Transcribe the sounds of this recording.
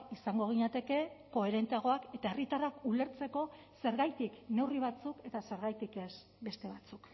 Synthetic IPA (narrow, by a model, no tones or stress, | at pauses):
isaŋɡo̞ɣ̞iɲat̪e̞ke̞ko̞e̞ɾe̞nt̪eaɣ̞o̞ake̞t̪ae̞rit̪arakule̞ɾt͡se̞ko̞ | se̞ɾɣajt̪ikne̞wriβ̞at͡suke̞t̪ase̞ɾɣajt̪ike̞s | be̞st̪e̞βat͡suk